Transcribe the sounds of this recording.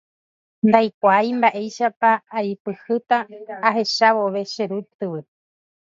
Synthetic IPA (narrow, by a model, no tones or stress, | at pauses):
nd̪ajkʷajmbaʔe̞jʃapaːjpɨhɨt̪aːɦe̞ʃaʋo̞ʋe̞ʃeɾut̪ɨʋɨ